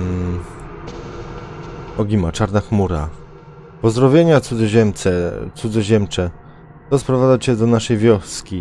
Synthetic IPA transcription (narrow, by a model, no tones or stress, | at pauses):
ɔɡʲimat͡ʂaɾnaxmuɾa̰ | pɔzd̪ɾɔvʲjeɲat̪sud̪zɔʑɛmt̪sɛt̪sud̪zɔʑɛmt͡ʂɛ | t̪ɔspɾɔvad̪at͡ɕɛd̪ɔnaʂɛjvʲjɔskʲi